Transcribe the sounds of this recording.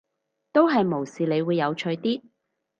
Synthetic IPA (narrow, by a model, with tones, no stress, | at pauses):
t̪o˥wɦɐ˨jmo˨˩wsiː˨le˨˧jwuː˨˧jːɐ˨˧wt͡ʃʰɵ˧ɥt̪iː˥